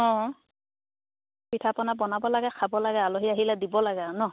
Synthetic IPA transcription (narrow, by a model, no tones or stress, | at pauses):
ɔ̃ | pitʰapɔnabɔnabɔlaɡɛkʰabɔlaɡɛaloɦiaɦilɛdibɔlaɡɛnɔ